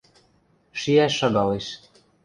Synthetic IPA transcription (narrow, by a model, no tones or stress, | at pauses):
ʃiæʃːɑɡɑleʃ